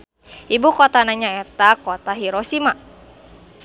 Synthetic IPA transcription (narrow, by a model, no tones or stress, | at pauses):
ibukɔt̪anaɲaɛt̪akot̪aɦiɾɔsima